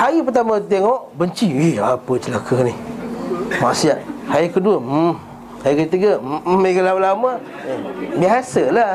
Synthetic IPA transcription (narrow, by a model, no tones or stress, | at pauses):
haɣip̬ərt̪amat̪̬ɛŋɔʔbəɲt͡ʃiiapət͡ʃəlakʰəni | maʔsiaʔhajəkəduəm | hajəkət̪iɡəkəlawlama | biɦasəla